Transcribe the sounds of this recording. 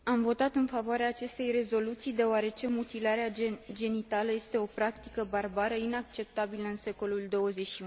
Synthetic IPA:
amvo̞t̪at̪ɨnfavoaɾeaːt͡ʃe̞st̪e̞jre̞zo̞lut̪sijd̪e̞oaɾe̞t͡ʃe̞mut̪ilaɾead͡ʒe̞nit̪aləje̞st̪e̞o̞pɾakt̪i̥kəbarbaɾəinak̚t͡ʃe̞p̚t̪abiləɨnse̞ko̞luld̪o̞wəze̞tʃiu

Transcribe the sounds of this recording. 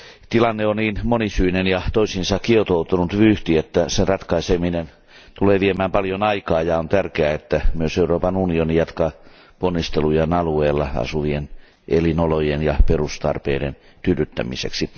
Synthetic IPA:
t̪ilɑnːeonniːnmonisyinenjɑt̪oisinsɑkkiet̪out̪unut̪ʋyːht̪iet̪ːæserɑt̪kɑiseminen | t̪uleːʋiemæːmpɑljonɑikɑːjɑont̪ærkeæet̪ːæmyøseuroːpɑnunionijɑt̪kɑ | ponːist̪elujenɑlueːlːɑɑ̰suʋien | ʔḛlinolojenjɑperust̪ɑ̰rpḛːdḛn | t̪yryt̪ːæ̰mḭsḛksi

